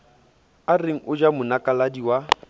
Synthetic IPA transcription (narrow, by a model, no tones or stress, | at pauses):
areŋ̩ʔʊd͡ʒamʊnakʼaladiwa